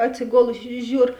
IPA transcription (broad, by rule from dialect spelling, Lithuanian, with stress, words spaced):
ɐtʲsʲɪˈɡoːlˠʊsʲɪ ˈʒʲuːr